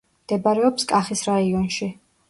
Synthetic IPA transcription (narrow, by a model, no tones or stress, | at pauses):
md̪̥ɛbaɾɛɔpskʼaχisɾaiɔnʃi